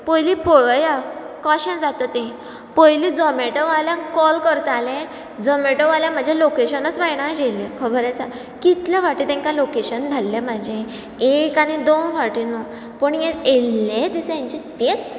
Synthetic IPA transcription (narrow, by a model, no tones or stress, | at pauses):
pojlipoɭəja | kɔɕẽd͡zat̪ət̪ːẽ | pɔjlid͡zɔmeʈɔʋaljãkɔlkəɾt̪alẽ | d͡zɔmeʈoʋaljãm̤əd͡ʑʱjalokeɕənət͡sbajɳ̃ad͡ʑelːẽkʰəbʱəɾat͡sa | kit̪ljaʋaʈiːt̪ɛ̃ŋkalokeɕənd̪ʱalːẽmad͡ʑʱẽ | ekañid̪onfaɾʈinɔ | pəɳjẽelːed̪isjãɲt͡ɕit̪et͡s